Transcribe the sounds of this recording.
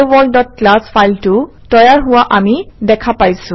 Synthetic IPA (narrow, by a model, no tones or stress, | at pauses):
bɔldɔt̚klaspʰajltʊ | tɔjaɹɦʊwaʔamidɛkʰapajsʊ̃